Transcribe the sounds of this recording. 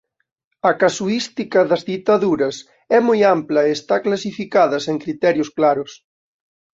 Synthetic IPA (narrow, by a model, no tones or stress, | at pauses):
ɐkasuist̪ikɐðɐzðit̪aðuɾɐs | ɛmojamplɐeest̪aklasifikaðɐseŋkɾit̪ɛɾjosklaɾʊs